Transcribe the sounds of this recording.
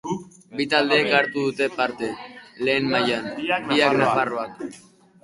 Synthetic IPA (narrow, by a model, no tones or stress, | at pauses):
bit̪ald̪eːkaɾt̪uðut̪e̞paɾt̪e̞le̞ːnmajaniaknafaroak